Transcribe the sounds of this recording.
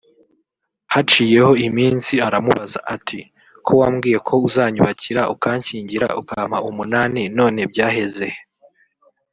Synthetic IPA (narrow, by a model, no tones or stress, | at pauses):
hat͡ʃiːje̞ho̞imiːnsiaɾamuβaza̰ʔatʰi | kʰo̞waːmɡiːje̞kʰo̞uzaːɲuβaciɾaʔukaːɲciːɲɟiɾa̰ṵkaːm̥haumunaːnino̞ːne̞b̚ɟaːɦe̞zeh